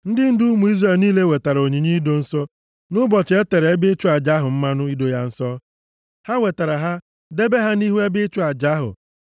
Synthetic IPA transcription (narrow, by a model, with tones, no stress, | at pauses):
n̩˦dɪ˦n̩˦dʊ˦ʊ˦mu˨i˦zre˨lniː˦le˦we˨ta˨ɾa˨o˨ɲe˨ɲi˦do˦n̩˦sɔ˦ | nʊ˦bɔ˨t͡ʃe˦te˨ɾe˨e˦bɪ˦t͡ʃʊ˦a˨d͡ʒa˦ɦʊ˨m̩˦ma˦nʊ˦i˦do˨ja˦n̩˦sɔ˦ | ha˦we˨ta˨ɾa˨ɦa˦ | de˦be˦ɦa˦ni˦ɦu˦e˦bɪ˦t͡ʃʊ˦a˨d͡ʒa˨˦ɦʊ̰˨